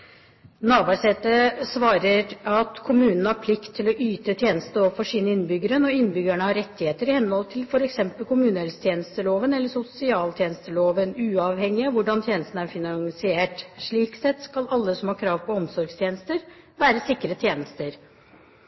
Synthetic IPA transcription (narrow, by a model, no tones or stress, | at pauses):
nɑːbɑːʂɛt̪ːəsʋɑːɾəɾɑt̪kʰʊmʉːnənəhɑɾpʰlɪkt̪ʰːɪlɔʔyːt̪ət̪ʰjeːnəst̪əɔʋfɔʂiːnəɪnːbʏɡəɾənɔɪnːbʏɡæɳəhɑɾɛt̪ːɪheːt̪əɾɪhɛnːəhɔlt̪ʰɪlfɔɾɛksɛmpəlkʊmʉːnəɛlst̪ʰjeːnəst̪əloːʋənɛlːəsʊsɪɑːlt̪ʰjeːnəst̪əloːʋənʉːɑʋhɛŋːɪɑʋʊɖɑnt̪ʰjeːnəst̪n̩æɾfɪnɑŋsɪeːʈʂɭiːksɛt̪skɑlɑlːəsɔmhɑːkʰɾɑːʋpʰɔɔmsɔɾɡst̪ʰjeːnəst̪əɾʋæːɾəsɪkːəɾət̪ʰjeːnəst̪əɾ